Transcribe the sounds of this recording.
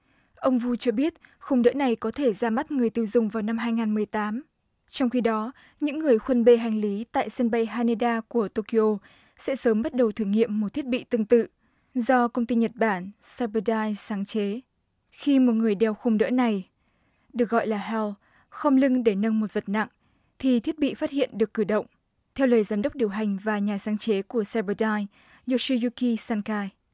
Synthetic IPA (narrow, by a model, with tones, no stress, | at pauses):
ʔə˧wŋ͡mvu˧t͡ɕɔ˧ɓi˦˥ət̚xʊ˧wŋ͡mɗə̰ː˧˥na˨˩jkɔ˨˦t̪ʰe˧˩zaː˧ma˦˥t̚ŋɨ˨˩əjt̪i˧əwzʊ˨˩ŋ͡mvaː˨˩wna˧mɦaː˧jŋaː˨˩nmɨ˨˩əjt̪aː˨˦m | t͡ɕɔ˧wŋ͡mxi˧ɗɔ˨˦ | ɲɨ̰˧˥ŋːɨ˨˩əjxwə˧nɓe˧ɦa˨˩jŋ̟li˨˦t̪a̰ː˧˨jsə˧nɓa˧jɦaː˧ne˧ɗaː˧ku˧˩ət̪o˧ki˧ʔo˧ | sɛ̰˧˥səː˨˦mɓa˦˥t̚ɗə˨˩wt̪ʰɨ˧˩ŋḭ˧˨əmːo˨˩t̪ʰi˦˥ət̚ɓḭ˧˨t̪ɨ˧ŋt̪ɨ̰˧˨ | zɔ˧kə˧wŋ͡mt̪i˧ɲə˨˩t̚ɓaː˧˩nsɛ˧bə˧ɗaː˧jsaː˨˦ŋt͡ɕe˨˦ | xi˧mo˨˩t̚ŋɨ˨˩əjɗɛ˧˩wxə˧ŋ͡mɗə̰ː˧˥na˨˩j | ɗɨ˨˩ək̚ɣɔ̰˧˨jlaː˨˩ɦɛ˧wl | xə˧wŋ͡mlɨ˧ŋɗe˧˩nə˧nmo˨˩t̚və˨˩t̚na̰˧˨ŋ | t̪ʰi˨˩t̪ʰi˦˥ət̚ɓḭ˧˨faː˦˥t̚hḭ˧˨ənɗɨ˨˩əkːɨ˧˩ɗə̰˧˨wŋ͡m | t̪ʰɛ˧wləː˨˩jzaː˨˦mɗə˦˥k͡p̚ɗi˨˩əwɦa˨˩jŋ̟vaː˨˩ɲaː˨˩saː˨˦ŋt͡ɕe˨˦ku˧˩əsɛ˧ɓəː˧ɗaː˧j | zu˧˨˩si˧zu˧ki˧saː˧nkaː˧j